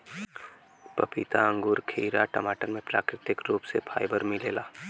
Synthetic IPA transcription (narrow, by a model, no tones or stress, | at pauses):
pɐpit̪aə̃ŋɡʊːɾkʰiːɾaʈəmaːʈənmẽpla̰ːkeʈɪkɾuːpsepʰaːɪbəɾmɪleːlaː